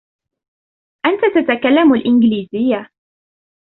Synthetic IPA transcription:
ʔant̪at̪at̪akalːamalʔɪnɡɪliːzɪjːa

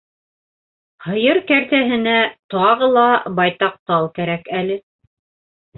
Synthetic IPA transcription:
hɤ̆jɤɾkæɾt̪æɦɘ̆næt̪ɑʁɤ̆lˠɑbɑjt̪ɑq̚t̪ɑlˠkæɾækælɘ

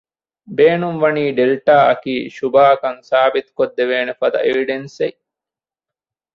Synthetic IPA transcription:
beːnumʋɐniːɖelʈaːɐkiːʃubaːkɐŋsaːbit̪u̥kod̪ːeʋeːnefɐd̪ɐ̰ʔeʋiɖense

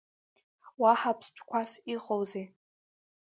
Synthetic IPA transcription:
waħapʰstʷʰkʷʰasiqʼowzej

